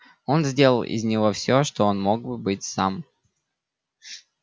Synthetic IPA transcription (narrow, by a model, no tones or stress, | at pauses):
o̞nzʲdʲe̞lˠəlˠʔɪ̰zʲnʲɪvo̞fsʲoʂt̪oonmo̞ɡ̚bɨbɨtʲsam